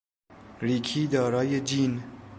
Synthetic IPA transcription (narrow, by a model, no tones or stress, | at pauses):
ɾiːkʰiːd̪ɒːɾɒːjed͡ʒiːn